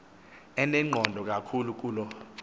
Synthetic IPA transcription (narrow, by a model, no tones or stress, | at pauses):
ɛnɛŋ͡ǃʱɔndʱɔk̬ʼakʰuluk̬ʼuːlɔ